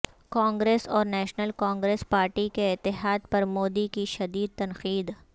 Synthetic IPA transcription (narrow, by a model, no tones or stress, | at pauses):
kãːŋɡɾeːsɔːɾnɛːʃnəlkãːŋɡɾeːspaːɾʈikeɪt̪ːɪɦaːd̪̚pɐɾmoːd̪ikiʃɐd̪iːd̪̚t̪ɐnqiːd̪